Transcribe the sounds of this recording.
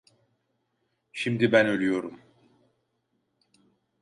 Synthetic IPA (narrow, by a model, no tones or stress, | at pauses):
ʃimd̪ibænølʲyjo̞ɾum